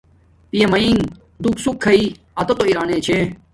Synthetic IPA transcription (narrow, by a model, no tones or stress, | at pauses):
pijemɐiŋ | d̪uksukʰːɐiː | ɐt̪ot̪oiɾaːneːt͡ɕʰe